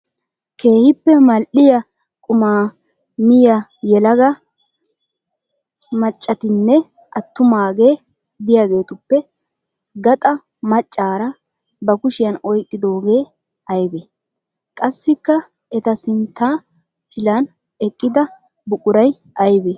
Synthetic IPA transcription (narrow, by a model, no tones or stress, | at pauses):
ke̞ːhɪpːɛmɐlʔɪjɐ | kʼʊmaː | mɪjɐjɛlɐɡɐ | mɐt͡ʃʼːɐt̪ɪnːɛ | ʔɐt̪ːʊmaːɡe̞ː | d̪ɪjaɡe̞ːt̪ʊpːɛ | ɡɐt̪ʼɐ | mɐt͡ʃʼːaːɾɐ | bɐkʊʃɪjɐnɔjkʼːɪd̪o̞ːɡe̞ː | ɐjbe | kʼɐsːɪkːɐ | ɛt̪ɐsɪnt̪ːaː | hɪlɐn | ɛkʼːɪd̪ɐ | bʊkʼʊɾɐj | ɐjbe